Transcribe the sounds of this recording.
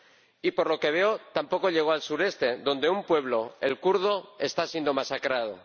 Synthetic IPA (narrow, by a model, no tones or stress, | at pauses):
ipo̞ɾlo̞ke̞β̞e̞o̞t̪ampo̞ko̞ʎe̞ɣ̞o̞alsuɾe̞st̪e̞ðo̞nd̪e̞umpwe̞β̞lo̞elkuɾð̞o̞e̞st̪asje̞nd̪o̞masakɾað̞o̞̰